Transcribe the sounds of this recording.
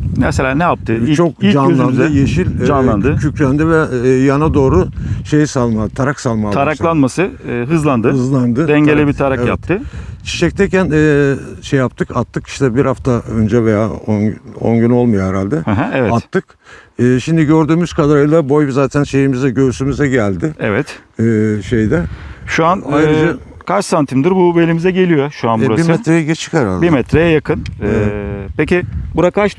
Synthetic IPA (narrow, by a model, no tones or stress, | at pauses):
mɛselʲaːnɛjap̚t̪ʰɯt͡ʃʰo̞k̚d͡ʒanlˠand̪ɯjeʃilʲd͡ʒanˠanɯcʰycʰlʲænd̪ivɛːjanad̪o̞ːɾuʃejsalˠmat̪ʰaɾaksalˠmat̪ʰaɾaklˠanmasɯɦɯzlˠand̪ɯɯzlˠand̪ɯd̪ɛɲɟelʲibit̪ʰaɾaevjap̚t̪ʰːɯt͡ʃʰi̥ʃɛct̪ʰɛcʰænɛːʃejːap̚t̪ʰɯkʰat̪ʰːɯki̥ʃt̪ʰɛbiɾhaft̪ʰaønd͡ʒɛvejaːono̞̰nɟyno̞lˠmujoɦɛɾalʲd̪ɛhɛɦæ̃ɛvɛat̪ʰːɯk | ɯːʃimd̪iɟø̞ɾd̪yːmyz̥kʰad̪aɾajlˠabo̞jvizaːt̪ʰænʃe̞jimizɛɟøɾysymyzɛɟælʲd̪ɪɛ̰vɛt̪ː | ʃejd̪ɛʃuanajɾɯd͡ʒa | kʰaɾt͡ʃsant̪ʰimd̪iɾbubelʲimizɛɟe̞lʲijoʃuanbuɾabiɾsmmɛt̪ɾejɛɟet͡ʃʰi̥kɛɾa̰lʲdbiɾmɛt̪ʰɾejajakʰɯn | pecibuɾakaɾʃ